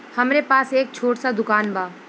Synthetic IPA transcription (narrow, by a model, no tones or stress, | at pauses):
hɐmɾepaːseːk̚t͡ʃʰoːʈsad̪ʊkaːnbʱaː